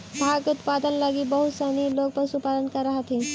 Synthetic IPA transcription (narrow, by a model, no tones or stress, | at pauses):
bʱaɡut̪pad̪ənlaɡiːbəɦut̪sañiːlok̚pəsupad̪ənkaɾaɦat̪ʰe